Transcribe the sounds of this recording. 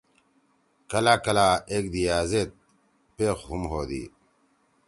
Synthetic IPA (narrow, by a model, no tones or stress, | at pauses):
kɐlaːkɐlaːeːkd̪ijaːzet̪̚ | peːxɦumɦoːd̪ḭ